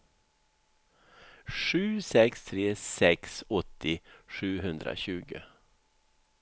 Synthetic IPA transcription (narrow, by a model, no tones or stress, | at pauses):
ʂʉːsɛkst̪ʰɾeːsɛksɔt̪ːɪʂʉːɦɵnd̪ɾa̰ɕʉːɡə